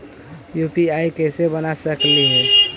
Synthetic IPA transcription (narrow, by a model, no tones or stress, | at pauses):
jupiaikɛɪsebənasəkliɦɛː